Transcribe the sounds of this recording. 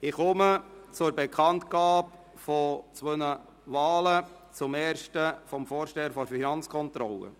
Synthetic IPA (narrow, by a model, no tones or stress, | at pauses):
ɪχʊmət͡sʊɾbɛkʰɑnt̪ɡ̥ɑːp | fɔt͡sʋønə | vɑːlə | t͡sʊmɛːɾʃtəfɔmfɔːɾʃtɛːəɾfɔɾfinɑnt͡skʰɔnt̪ɾɔ̰lə̰